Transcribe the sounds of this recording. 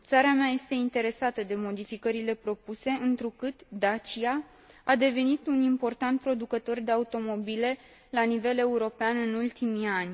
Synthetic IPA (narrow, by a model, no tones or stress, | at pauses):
t̪saɾamaje̞st̪e̞int̪e̞ɾe̞sat̪əd̪e̞mo̞d̪ifikəɾile̞pɾo̞puse̞ʔɨnt̪ɾukɨt̪d̪at͡ʃia | ad̪e̞ve̞nit̪unimpo̞rt̪ant̪̚pɾo̞d̪ukət̪o̞rd̪e̞aut̪o̞mo̞bile̞ | lanive̞le̞uɾo̞peanɨnult̪imianʲ